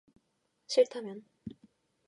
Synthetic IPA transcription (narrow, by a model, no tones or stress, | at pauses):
t͡ɕʰiɭtʰamjʌn